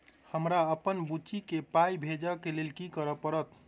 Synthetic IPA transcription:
həmɾaəpənbut͡ʃikepajbʱed͡ʒəkelelkikəɾəpəɾət̪

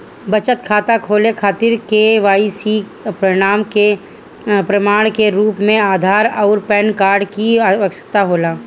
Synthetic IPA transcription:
bɐt͡ʃət̪kʰaːt̪akʰoːlekʰaːt̪ɪɾkeʋaːisi | pɾəɽ̃aːmke | pɾəmaːɽ̃keɾuːpmẽaːd̪ʱaːɾɔːɾpɛːnkaːɾɖkiəkʃət̪aɦoːlaː

